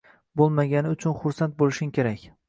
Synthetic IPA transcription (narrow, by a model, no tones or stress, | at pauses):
bolˠmaɡʲanɪʊt͡ʃʰʊnχʊɾsant̪̚bolˠɪʃɪŋkʲeɾakʲ